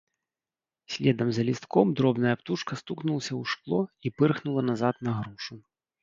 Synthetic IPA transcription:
sʲlʲɛd̪ɐmzɐlʲist̪kɔmd̪ɾɔbnɐjɐpt̪uʂkɐst̪uknulˠsʲɐwʂklˠɔipɨrxnulˠɐnazat̪̚nɐɣɾuʂu

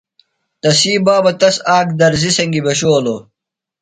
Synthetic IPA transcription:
t̪ɐsiːbaːbɐt̪ɐsaːk̚d̪ɐɾzisɐŋɡibeɕoːlo

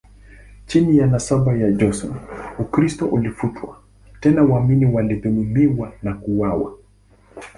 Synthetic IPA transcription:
t͡ʃinijanasabajad͡ʒɔsɔnukɾistɔʔulifutʰwa̰ | tɛnawaminiwaliðumumiwanakuwawa̰

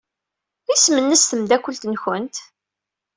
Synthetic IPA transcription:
ismənːəsθəmd̪ækʷːəlt̪nçənt̪

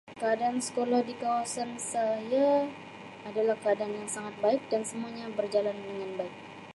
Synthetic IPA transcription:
kəadaːnsə̥kolahdikawasansaja | adalahkəadaːnjaŋsaŋat̪̚baɪk̚dansəmuaɲabərd͡ʒalandəŋanbaɪk̚

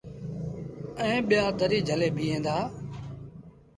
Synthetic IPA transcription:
ɛ̃ːɓɪjaːt̪əɾiːd͡ʒʱəleːbʱiːɦẽːnd̪aː

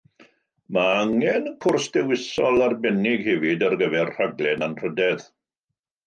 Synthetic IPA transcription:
maaŋɛnəkʰʊrsd̥ɛwɪsɔlˠarbɛnɪɡhɛvɪdərɡəvɛrr̥aɡlˠɛnanr̥ədɛð

